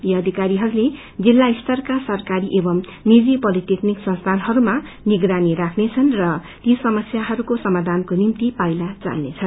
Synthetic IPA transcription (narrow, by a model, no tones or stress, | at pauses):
jiʌd̪ʱikaɾiɦʌɾule | d͡zilːaist̪ʰʌrkasʌrkaɾiʔebʌmnid͡zipʌlit̪ekniksʌnst̪ʰanɦʌɾuma | niɡɾanirakʰnet͡sʰʌnrʌt̪isʌmʌsjaɦʌɾukosʌmad̪ʱankonimt̪ipajlat͡sa̰lnet͡sʰʌn